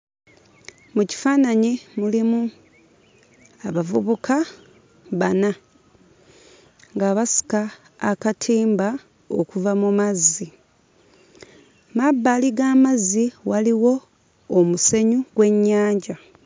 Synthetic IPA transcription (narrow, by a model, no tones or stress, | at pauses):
muci̥faːnaɲimulimu | aβavuβukʰa | βana | ŋɡaːβasi̥kaː | katʰiːmba | okuvamumazːi | mabːaːliɡaːmazːiwaliwo̞ː | muse̞ɲuɡwe̞ɲːaːɲɟa